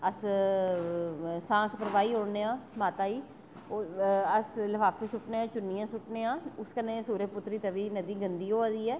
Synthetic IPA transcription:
əs | sãːkʰpəɾʋaːiːɦoːɽneːãːmaːt̪aːiː | oəsləʋʰaːpʰeːsʊʈneːãːt͡ʃʊnːijãːsʊʈneːãːʊskənẽːsuːɾeːpʊt̪ːɾiːt̪əʋiːnəd̪iːɡənd̪iːɦoːaːd̪iːɛː

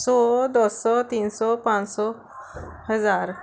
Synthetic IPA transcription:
sɔd̪ɔsɔt̪insɔpãnsɔ | ɦəd͡zaɾ

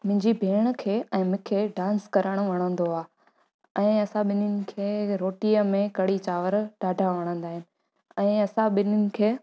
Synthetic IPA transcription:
mɪ̃ɦɪ̃ɲd͡ʑibʱeːɽ̃ə̆kʰeːɛ̃ːmʊ̃kʰeːɖãːnskɐɾəɽ̃ʊʋɐɽ̃ə̃nd̪oaː | ɛ̃ːɐsãɓɪnɪnɪ̆kʰeːɾoːʈijəmẽkɐɽit͡ɕaːʋəɾɖaːɖʱaʋɐɽ̃ə̃nd̪aːɦɪnɪ̆ | ɛ̃ːɐsãɓɪnʊnɪ̆kʰeː

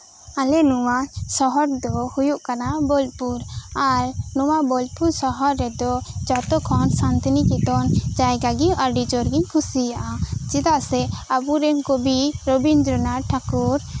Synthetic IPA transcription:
alɛnuwasɔɦɔɾd̪ɔhujuʔkanabɔlpuɾaɾnɔwabɔl̚puɾsɔɦɔɾːɛd̪ɔd͡ʒɔt̪ɔkʰɔnsant̪nikit̪ɔnd͡ʒajɡaɡiaɾɖid͡ʒɔɾɡiɲkʰusijaʔad͡ʒit̪aʔsɛabuɾɛɲkobiɾobind̪ɾɔnaʈʰakuɾ

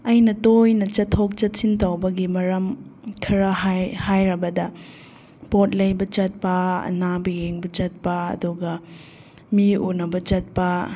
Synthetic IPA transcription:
ɐjnɐtojnɐt͡ʃɐtʰːok̚t͡ʃɐt̚sintɐwbɐɡimɐɾɐmkʰiɾɐɦajhajɾɐbɐdɐ | pot̚lɐjbɐt͡ʃɐt̚pɐɐ̰nabijeŋbɐt͡ʃɐt̚pɐɐ̰duɡɐ | miunɐbɐt͡ʃɐt̚pɐ

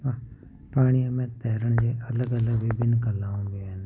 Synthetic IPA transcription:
paːɽ̃ijãmẽt̪ɛːɾəɳ̃d͡ʒeɐləɡələɡʋɪbɪnkəlːaːõːben

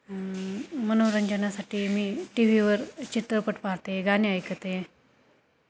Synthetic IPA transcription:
mənoɾəɲd͡ʑənasaʈʰiːmiːʈiʋ̤iʋəɾt͡ɕit̪ɾəpəʈpaɦt̪eeɡaniajkət̪ee

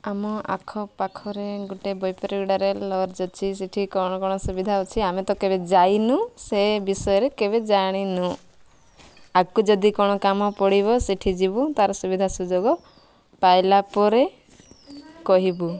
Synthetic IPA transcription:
amɔʔa̰kʰɔpakʰɔɾeɡuʈebɔjpɔɾiɡuɽaɾelɔɾd͡ʒɔt͡ʃʰis̬eʈʰikɔɽ̃ɔkɔɽ̃ɔsubid̪ʱaut͡ʃʰiamet̪ɔkebed͡ʒajnũsebisɔjɔɾekebed͡ʒaɽ̃inũ | akud͡ʒɔd̪ikɔɽ̃ɔkamɔpɔɽibɔseʈʰid͡ʒibut̪aɾɔsubid̪ʱasud͡ʒoɡɔ | pajlapɔɾe | kɔɦibu

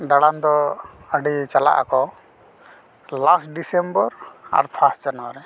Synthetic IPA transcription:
ɖaɽand̪ɔ | əɖit͡ʃala̰ʔa̰kɔ | lasʈɖisembəɾa̰ɾpʰasʈ̚d͡ʒanwaɾɛ

